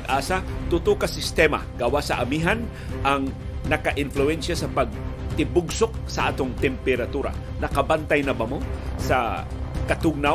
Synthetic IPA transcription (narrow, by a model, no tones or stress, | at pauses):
ɡʔaːsɐt̪ʊt̪ʊkɐsɪst̪ɛma̰ɡawasɐ̰ʔɐmiɦan | ʔɐŋ | nɐkɐʔɪnflʊɛnʃasɐpɐɡ̚t̪ɪbʊɡsok̚sɐʔaːt̪oŋt̪ɛmpɛɾɐt̪uːɾɐ̰ | nɐkɐbant̪ajnɐbamosɐ | kɐt̪ʊɡ̚na